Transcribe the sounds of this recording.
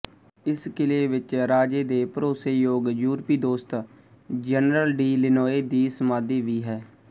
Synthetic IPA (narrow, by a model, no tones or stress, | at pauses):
ɪskɪleːʋɪt͡ʃɾaːd͡ʒeːd̪eːpəɾoːseːjoːɡjuːɾpiːd̪oːst̪ | d͡ʒɛnɾəlɖiːlɪnɔːeːd̪iːsəmaːd̪iːʋiːɦɛː